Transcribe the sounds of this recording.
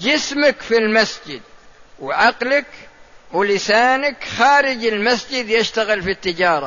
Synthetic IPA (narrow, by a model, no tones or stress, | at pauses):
d͡ʒɪsmakfilmasd͡ʒɪd̪̚wʕaqlɪkwlɪsaːnakxaːɾɪd͡ʒɪlmasd͡ʒɪd̪jɪʃt̪aɣɪlfit̪ːɪd͡ʒɑːɾˤɑ